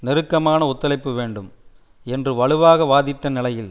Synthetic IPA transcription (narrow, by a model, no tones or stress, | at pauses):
nɪɾɯkːɐmaːnɐʊt̪ːɐlɐɪpːɯʋeːɳɖɯm | ɛndrɯʋɐɭɯʋaːɣɐʋaːðɪʈːɐnɪlɐjɪl